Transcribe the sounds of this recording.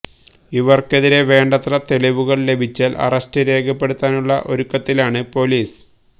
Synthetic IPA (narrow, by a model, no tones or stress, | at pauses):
iʋɐrke̞ðiɾe̞ʋe̞ːɳɖɐt̪rɐt̪e̞ɭiʋuɣɐɭle̞bʱit͡ɕːaːlʔɐ̰rɐstɨɾe̞ːɡʰʱɐpːeɽut̪ːaːnuɭːɐ̰ʔo̞ɾukːɐt̪ːilaːɳɨpo̞liːs